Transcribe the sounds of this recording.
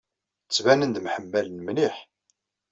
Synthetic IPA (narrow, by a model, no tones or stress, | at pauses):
t͡sːvænənd̪mħəmːælnmniħ